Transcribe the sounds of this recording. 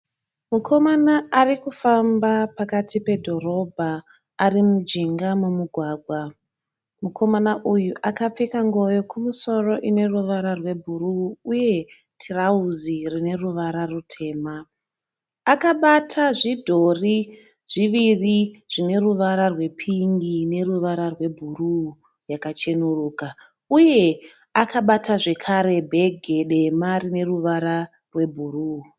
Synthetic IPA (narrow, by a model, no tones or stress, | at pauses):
mukʰo̞manaarikufambapakatʰipe̞dʱo̞ro̞bʱaː | rimud͡ʒiŋɡamumuɡʱwaːɡʱwa | mukʰo̞manaʔujuʔakap͡fekaŋɡo̞jo̞kumuso̞ro̞ʔine̞ruʋaɾarwe̞bʱuruuje̞ | tʰirauzirine̞ruʋaɾarutʰe̞ːmaː | kaɓatʰaʐidʱo̞ri | ʐ̥iʋiriʐ̥ine̞ruʋaɾarwe̞pʰiŋɡine̞ruʋaɾarwe̞bʱuru | jakat͡ʃe̞nuruːka | uje̞ | akaɓataʐe̞kʰaɾe̞bʱe̞ɡʱe̞ɗe̞marine̞ruʋaɾa | rwe̞bʱuru